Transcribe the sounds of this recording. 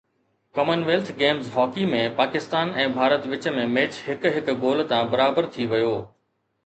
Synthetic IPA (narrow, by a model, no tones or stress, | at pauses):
kɐmənʋeːlt̪ʰɡeːmzɦɔːkimẽpaːkɪst̪aːnɛ̃ːbʱaːɾət̪ʋɪt͡ɕmẽmeːt͡ɕɦɪkɦɪkɡoːl̆t̪ãbɐɾaːbəɾt̪ʰiʋɐjoː